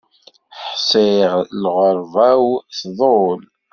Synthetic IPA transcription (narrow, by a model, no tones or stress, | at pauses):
ħsˤeʁlʁəɾˤvæwθðˤol